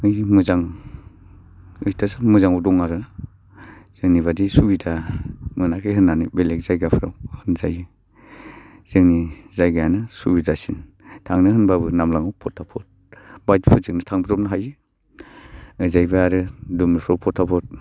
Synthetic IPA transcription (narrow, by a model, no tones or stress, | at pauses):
ɯjmɯzaŋ | ɯjtʰasamɯzaŋawdɔŋaɾɯ | z̥ɯŋniβadisubidʰamɯnakʰɯɦɯnːanibelek̚zajɡapʰɯɾa̰whɯnzajɯ | z̥ɯŋnizajɡajanɯsubidasin | tʰaŋnɯhɯnbabɯnamlaŋawpʰɔtʰapʰɔt̚ | bajtpʰɯzɯŋnɯtʰaŋbiɾɔp̚nɯɦajɯ | ɯzajbaːɾɯdumɾɯpʰɾawpʰɔtʰːapʰɔt̚